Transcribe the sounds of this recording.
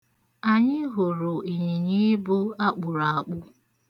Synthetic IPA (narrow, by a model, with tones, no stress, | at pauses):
a˨ɲɪ˦ɦʊ˨ɾʊ˨i˨ɲi˨ɲi˦bʊ˦a˦k͡pʊ˨ɾa˨k͡pʊ˦